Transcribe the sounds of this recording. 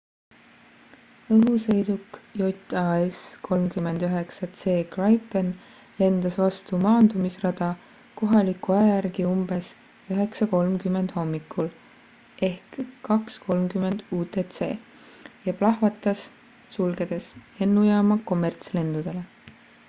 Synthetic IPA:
ɤɦuse̞jd̪ukjot̪ʲˑɑeskʰo̞lmkymːe̞nd̪̥yɦe̞ksɑt̪se̞ːkrɑjpen | le̞nd̪̥ɑsvɑst̪umɑːnd̪umisrɑd̪̥ɑ | ko̞ɦɑlikuæɑjæɾɡiumb̥e̞s | yɦe̞ksɑko̞lmkymːe̞nd̪̥ho̞mːikːˑul | ʔe̞hkːɑksko̞lmkyme̞nd̪̥uːt̪e̞t̪se̞̰ː | jɑplɑɦvɑt̪ːˑɑs | sulɡ̥e̞d̪̥e̞se̞nːujɑːmɑko̞mːe̞rt̪sle̞nd̪ud̪̥e̞le̞

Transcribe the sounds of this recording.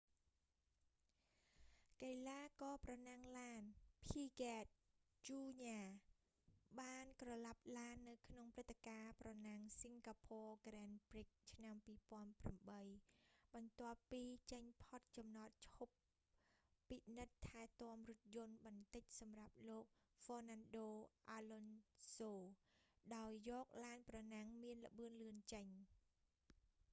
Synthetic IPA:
kalaːkɑːprɑnaŋlaːnpʰiːkaːt̪̚ | t͡ɕuːɲaː | ɓaːnkrɑlap̚laənːɨwkʰnoŋprɨt̪ʰːekaːprɑnaŋsiŋkaːpʰɔːkrɛnprik̚t͡ɕʰnampiːpŏənpramɓəjɓɑnt̪ŏəpːiːt͡ɕəɲpʰot̪̚t͡ɕɑmnat̪̚t͡ɕʰhopː | inɨt̪ʰːaɛt̪ŏəmrŭət̪̚jʊ̆ənɓɑnt̪ɨc̚sɑmrap̚loːk̚ | fɔːnanɗoːʔaːlonsoːɗaɔjːɔːk̚laːnprɑnaŋmiənlə̆ɓɨənlɨənt͡ɕəɲ

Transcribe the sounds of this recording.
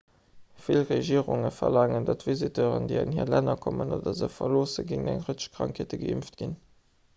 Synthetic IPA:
filʁeʒiːəʁʊŋəfɐlɑːŋəndɑtvizitʰəːʁə̰ndeɑnhiɐlænɐkʰɔmənoːdɐzəfɐloːsəɡiŋnæ̰ŋʁətə̥ʃkʁɑ̰ŋkʰeətəɡəimftɡ̥in

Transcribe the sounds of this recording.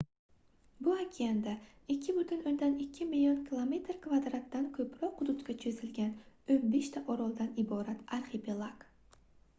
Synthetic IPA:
bʊakʲʰiand̪a | ɪkʲʰːɪbʊt̪ʰɪnond̪anɪkʲʰːɪmilʲionkʲʰilˠome̞t̪ɾkvad̪ɾat̪ːankʲʰɵpɾɒqʰːʊd̪ʊt̪kʲat͡ʃʰezɪlɡʲanɵbeʃt̪ʰaʔɒɾɒlˠd̪anɪbɒɾat̪aɾχepʰelˠak

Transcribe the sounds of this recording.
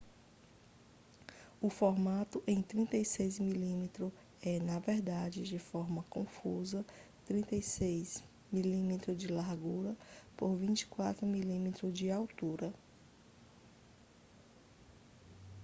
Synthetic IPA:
ʊfɔɾmat̪ʊʔẽj̃t̪ɾĩnt̪ejsejzmilĩmet̪ɾʊ | ɛnɐvɛɾd̪ad͡ʒɪd͡ʒɪfɔɾmɐkõfuzɐt̪ɾĩnt̪ejsejz | milĩmet̪ɾʊd͡ʒɪlaɾɡuɾɐpoɾvĩt͡ʃi̥kwat̪ɾʊmilĩmet̪ɾʊd͡ʒɪawt̪uɾɐ

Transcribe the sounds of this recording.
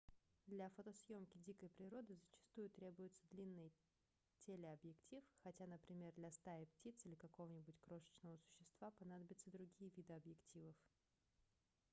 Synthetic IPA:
d̪lʲafot̪əsjo̞mkʲɪdʲikəjpɾʲɪɾo̞d̪ɨzət͡ɕɪ̥st̪ujʊt̪ɾʲe̞bʊjʊt̪səd̪lʲinːɨj | tʲelʲɪɐbjɪktʲifxɐtʲanəpɾʲɪmʲe̞rd̪lʲɐst̪ajəptʲit̪silʲɪkɐko̞vənʲɪbʊtʲkɾo̞ʂə̥t͡ɕnəvəsʊ̥ɕːɪst̪v̥apɐnad̪əbʲɪt̪səd̪ɾʊɡʲijəvʲid̪ɨɐbjɪktʲivəf

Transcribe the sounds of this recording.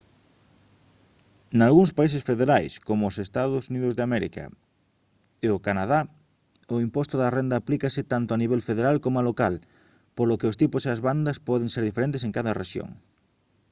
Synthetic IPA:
nalɣuŋspaisesfeðeɾajskomʊːsest̪aðʊsuniðʊzðeamɛɾḭkɐ̰ | eʊkanað̞a | ʊimpɔst̪ʊðɐrend̪aːplikɐsɪt̪ant̪ʊaniβelfeðeɾalkomoalokal | polʊkɪʊst̪ipʊseɐzβand̪ɐspɔðeŋseɾðifeɾent̪eseŋkaðɐrḛʃjo̰ŋ

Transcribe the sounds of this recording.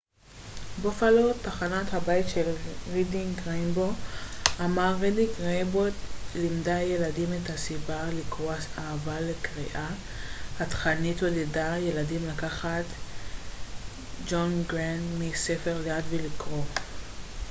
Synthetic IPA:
bofalotaχanathabajtʃelʁidiŋɡʁenboamaʁːidikʁebotlimdaje̞ladimethasibalikʁoaahavalekʁiʔa | hat̪χanitodedajeladimlakaχat | d͡ʒonɡʁandmisefe̞ʁleadvelikʁo̞

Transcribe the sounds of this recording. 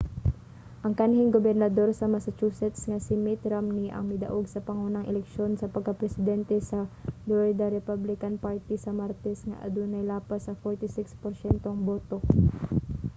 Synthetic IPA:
ʔɐŋkanhɪŋɡobɛɾnɐd̪o̞ɾsɐmasɐt͡ʃuːsɛt̪sŋɐsɪmɪt̪ɾamniʔɐ̰ŋmɪd̪ɐ̰ʔoɡsɐpɐŋuːnɐŋɛlɛkʃjo̞nsɐpɐɡ̚kɐpɾɛsɪd̪ɛnt̪ɛsɐd̪oɹd̪ɐɾɛpablɪkɐnpaɹt̪isɐmaɾt̪ɛsŋɐ̰ʔɐ̰d̪unɐjlaːpasɐfoɹt̪ɪsɪkspoɾsɛnt̪oŋboːt̪o̞

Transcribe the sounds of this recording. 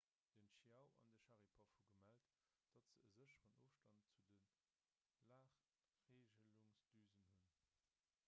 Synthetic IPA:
d̥ənʃiaʊʔɑ̰ndəʃɑʁipʰɑfhuɡəmælt | d̥ɑtz̥əəzəɕəʁənoːfʃtɑntt͡sudən | laːχ | ʁeːʒəluŋsd̥yːzənhun

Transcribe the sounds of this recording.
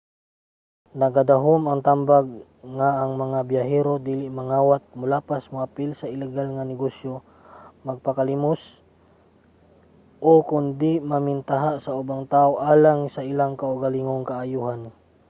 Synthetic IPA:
nɐɡad̪aɦomɐŋt̪ambaɡ | ŋaːŋmɐŋabjaɦɛɾod̪iːlɪʔmaŋaːwat̪̚mʊlaːpasmʊʔapɪlsaɪlɛɡalŋanɪɡosjo | mɐɡ̚pakalimʊs | ʔokʊnd̪ɪmamɪnt̪aɦaʔsaʔʊbaŋt̪aːʔoʔaːlaŋsaɪlaŋkaʊɡalɪŋoŋkaʔajuɦan

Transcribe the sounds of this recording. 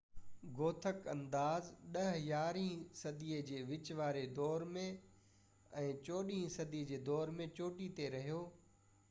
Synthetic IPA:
ɡoːt̪ʰəkɐ̃nd̪aːzɗɐɦjaːɾĩːsɐd̪iəd͡ʑeːʋɪt͡ɕʋaːɾed̪ɔːɾmẽ | ɛ̃ːt͡ɕoːɗĩːsɐd̪iːd͡ʑeːd̪ɔːɾmẽt͡ɕoːʈit̪eɾɐɦijoː

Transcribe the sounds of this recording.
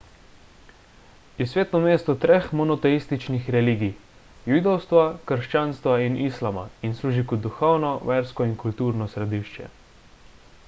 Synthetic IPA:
usʋʲeːt̪nɔmeːst̪ɔt̪ɾexmɔnɔt̪ɛist̪it͡ʃnixɾɛliːɡij | jud̪ɔwst̪ʋakəɾʃt͡ʃaːnst̪ʋainʔislama̰insluːʒikɔd̪d̪ːuxɔwnɔʋɛːɾskɔinkult̪uːɾnɔsɾɛd̪iːʃt͡ʃɛ̰

